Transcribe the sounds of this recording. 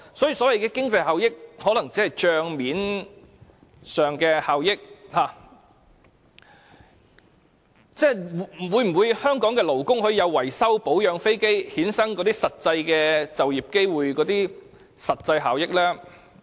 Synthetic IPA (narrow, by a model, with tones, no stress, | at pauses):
sɔː˨˥ji˨sɔː˨˥wɐ˨jkɛː˧kɪ˥ŋt͡sɐ˧jhaː˨wjɪ˥k̚hɔː˨˥lɐ˨˩ŋt͡siː˨˥hɐ˨jt͡ʃœː˧ŋmiː˨˥n | sœː˨ŋkɛː˧haː˨wjɪ˥k̚haː˨ | t͡sɛː˥˩˨wuː˨˧jm̩˨˩wuː˨˧jhœː˥ŋkɔː˨˥ŋkɛː˧lo˨˩wkʊ˥ŋhɵ˧jɐ˨˧wːɐ˨˩jsɐ˥wpo˨˥wjœː˨˧ŋfe˥jke˥jhiː˨˥nsɐ˥ŋkɔː˨˧t̪iː˥sɐ˨t̚t͡sɐ˧jkɛː˧t͡sɐ˨wjiː˨p̚ke˥jwuː˨jkɔː˨˥t̪iː˥ | sɐ˨t̚t͡sɐ˧jɦaː˨wjɪ˥k̚lɛː˥